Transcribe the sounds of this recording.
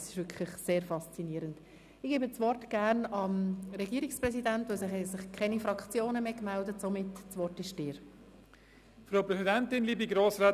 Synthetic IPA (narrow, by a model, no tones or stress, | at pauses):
sɪ̥ʃʋʏɾkʰlɪχseːɾfɑst͡siniːəɾənt | ɪɡ̥eːbəst͡sʋɔrtɡ̥æɾnɑmɾɛɡiːɾiksprɛsidæntʋosɪχɛsɪχkʰɛnifɾɑkʰt͡sjoːnəmeːkmældətsomɪtt͡sʋɔrtɪʃd̥ɪːɾ | fɾoʊpɾɛsidɛntɪnliːbiɡɾoːsɾaː